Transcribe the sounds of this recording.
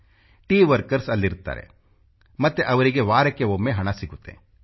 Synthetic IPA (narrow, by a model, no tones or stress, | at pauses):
ʈiːʋəɾkəɾsɐlːiɾt̪a̰ːɾḛ | mɐt̪eʔɐʋɾiɡeʋaːɾekeʋoːmẽɦɐɽ̃asɪkut̪ḛ̃